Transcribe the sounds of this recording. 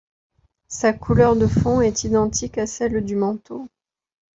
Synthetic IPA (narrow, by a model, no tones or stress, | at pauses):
sakʰulœʁd̪əfɔ̃ɛt̪id̪ɑ̃t̪ʰikasɛld̪ymɑ̃t̪o